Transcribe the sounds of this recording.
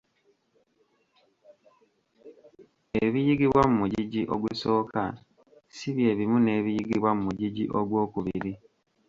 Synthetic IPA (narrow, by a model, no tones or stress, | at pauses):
eβijiɡiβwamumuɟiɟiʔoɡwuso̞ːkʰa̰ | siβje̞ːβimune̞ːβijiɡiβwamumuɟiɟḭʔoɡwo̞ːkuβiɾi